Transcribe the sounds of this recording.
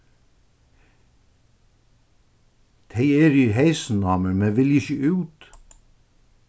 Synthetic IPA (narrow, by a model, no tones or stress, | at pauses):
t̪ʰeɪeːɾihæɪsn̩ɑːməmeːʋɪlɪçəʉːt̪